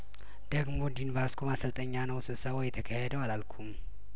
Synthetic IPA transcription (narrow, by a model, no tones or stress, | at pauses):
d̪̥əɡmo̞nd̪invaskʰomasəlt̪ʼəɲːanəwsɨsawɔjːɛt̪ʰəkʰahɛd̪əwalalkʷʰum